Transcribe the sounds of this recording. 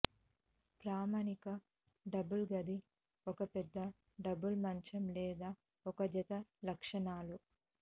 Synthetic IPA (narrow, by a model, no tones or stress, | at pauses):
pɾaːmanikɐ | ɖɐbulɡɐd̪i | ɔkɐpɛd̪ːɐ | ɖɐbulmɐɲt͡ʃɐmlɛːd̪aː | ɔkɐd͡ʒɐt̪ɐlɐkʂɐɳaːlu